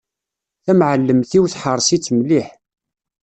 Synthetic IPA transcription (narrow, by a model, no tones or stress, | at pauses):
θæmʕəlːəmθiwθħəɾˤsit͡sːmliħ